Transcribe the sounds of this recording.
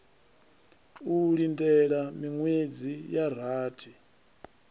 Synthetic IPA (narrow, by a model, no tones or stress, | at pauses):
uɺindɛɺamiŋwed͡zijaɾ̤aːtʰi